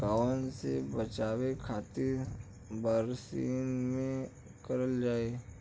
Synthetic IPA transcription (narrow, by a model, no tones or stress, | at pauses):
ɡaːʋənsḛbət͡ʃaːwekʰaːt̪iɾ | bəɾsḭːnmẽ | kɐɾəld͡ʒaːeː